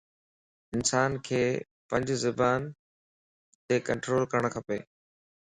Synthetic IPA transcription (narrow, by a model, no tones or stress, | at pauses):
ɪnsaːnkʰeː | pə̃ɲd͡ʑʱzɪbaːn | t̪eːkəɳʈɾoːlkəɾəɽ̃kʰɐpeː